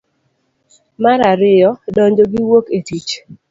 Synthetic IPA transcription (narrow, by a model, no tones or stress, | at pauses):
maɾaɾɪjɔdɔɲd͡ʒoɡiwoketit͡ʃ